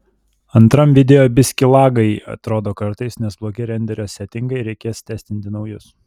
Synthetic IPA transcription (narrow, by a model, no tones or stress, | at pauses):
ɐnt̪ɾɐmʋʲɪd̪ʲɛjoːbʲɪsʲkʲɪlˠɑːɡɐɪɐ̰t̪ɾoːd̪oːkɐɾt̪ɐɪsnʲɛsblˠoːɡʲɪɾʲɛnʲd̪ʲɛɾʲoːsʲɛt̪ʲɪŋɡɐɪɾʲɛɪkʲeːst̪ʲæːsʲt̪ʲɪnʲt̪ʲɪnɒʊjʊs